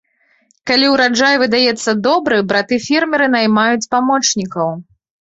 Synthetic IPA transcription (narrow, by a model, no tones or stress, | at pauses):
kalʲiwɾad͡ʐajvɨd̪ajɛt̪sːɐd̪ɔbɾɨbɾat̪ɨfʲɛrmʲɛɾɨnajmajut͡sʲpamɔt͡ʂnʲikɐw